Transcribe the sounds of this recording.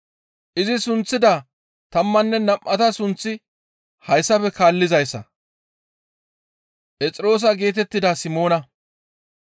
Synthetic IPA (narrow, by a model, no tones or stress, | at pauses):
ʔɪzɪsʊnt͡sːɪd̪ɐ | t̪ɐmːɐnːɛnɐmʔɐt̪ɐsʊnt͡sːɪ | hɐjsːɐpɛkaːlːɪzɐjsːɐ̰ | ʔɛt͡sʼɪɾo̞ːs̬ɐɡe̞ːt̪̬ɛt̪ːɪd̪ɐsɪmo̞ːnɐ